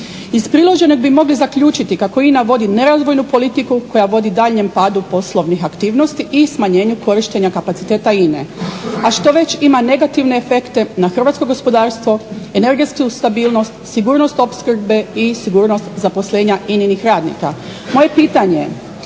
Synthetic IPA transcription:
ispɾilˠo̞ʒe̞noɡbimo̞ɡlizakʎuːt͡ʃit̪ikako̞inaʋo̞d̪ine̞ɾazʋo̞jnupo̞lit̪ikuko̞jaʋo̞d̪id̪aːʎɲe̞mpaːd̪upo̞slˠo̞ʋnixakt̪iːʋno̞st̪iʔismaɲe̞ːɲuko̞ɾiʃt̪eɲakapat̪i̥t̪e̞ːt̪aine̞̰aʃt̪o̞ʋe̞t͡ɕimane̞ɡat̪iʋne̞ːfe̞kt̪e̞naxr̩ʋaːt̪sko̞ɡo̞spo̞d̪aːɾst̪ʋo̞ene̞ɾɡe̞t̪skust̪abiːlno̞st̪siɡuːɾnost̪o̞pskr̩be̞isiɡuːɾno̞st̪zapo̞sleːɲaininixɾaːd̪nḭka̰ | mo̞je̞piːt̪aɲe

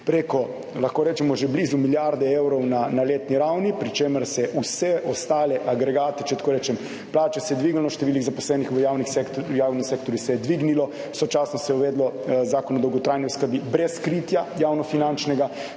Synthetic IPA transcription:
pɾekɔ | laxkoːɾɛːt͡ʃɛmɔʒɛblizumiljaɾd̪ɛewɾɔwnanaleːt̪niɾawnipɾit͡ʃeːməɾsɛʔusɛʔɔst̪aːlɛʔaɡɾɛɡaːt̪ɛt͡ʃɛt̪akoːɾɛːt͡ʃɛm | plaːt͡ʃasɛjɛd̪ʋiɡnilɔʃt̪ɛʋiliɣzapɔslɛːnixʋəjaːwnixsɛk̪jaːwnimsek̚t̪oɾjusɛjɛd̪ʋiɡnilɔ | wsɔt͡ʃaːsnɔsɛjɛuʋɛːd̪lɔzaːkɔnɔd̪ɔwɡɔt̪ɾaːjnɛwskəɾbibɾɛskɾiːt̪jajaːwnɔfinant͡ʃnɛɡa

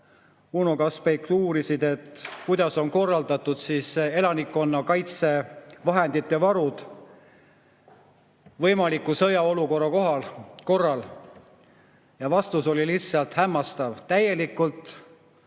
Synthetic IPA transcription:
unokɑspejkt̪uːɾisid̪̥e̞t̪kujd̪ɑso̞nko̞rːɑld̪ɑt̪ːud̪̥siːse̞lɑnikːo̞nːɑkɑjt̪se̞vɑɦe̞nd̪̥it̪ːe̞vɑɾud̪̥ | vɤjmɑlikːˑusɤjɑo̞luko̞rːɑko̞ɦɑlko̞rːɑl | jɑvɑst̪uso̞lilisɑlt̪hæmːɑst̪ɑvt̪æje̞likːˑult̪

